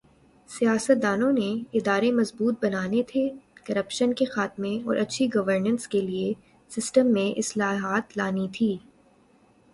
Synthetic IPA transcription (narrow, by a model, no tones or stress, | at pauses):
sijaːsət̪̚d̪aːnõneɪd̪aːɾemɐzbuːt̪̚bɐnaːnet̪ʰekɐɾəpʃənkexaːt̪mẽɔ̰ːɾʔɐtːʃʰiɡɐʋəɾnə̃nskelie | sɪsʈəmːẽʔɪslaːɦaːt̪laːnit̪ʰiː